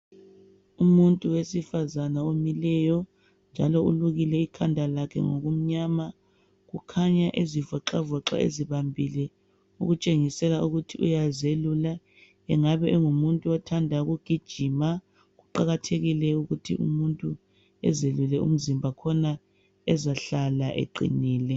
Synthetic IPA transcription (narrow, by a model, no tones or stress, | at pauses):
umuntʼuwesifazanaomilɛjɔ | nd͡ʒʱalɔuluɣilɛikʰandʱalakʰɛ̰ŋo̰ɣum̩ɲama | ɣukʰaɲaʔezivɔǁavɔǁa̰ḛziβambʱilɛ | ṵɣut͡ʃʼeŋisɛlauɣutʰiʔṵjazelula | ɛŋaβɛʔɛŋumuntʼuɔtʰandʱaɣuɡ̥ʱid̥ʒ̥ʱima | ɣuǃaɣatʰeɣilɛuɣutʰḭʔṵmuntʼu | ɛ̰zelulɛṵm̩zimbʱakʰɔna | ɛzaɬalaʔḛǃḭniːlɛ